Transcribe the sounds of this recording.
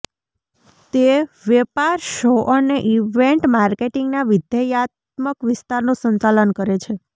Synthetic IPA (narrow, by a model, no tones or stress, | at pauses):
t̪eʋepaɾʃoʔəneʔiʋeɳʈmaɾkeʈiŋɡnaʋid̪jajat̪ | məkʋɪst̪aɾnũsəɲt͡ʃalənkəɾet͡ʃʰe